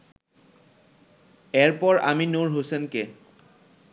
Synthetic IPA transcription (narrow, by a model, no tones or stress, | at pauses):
ɛɹpɔɹa̰minoɹɦosɛnke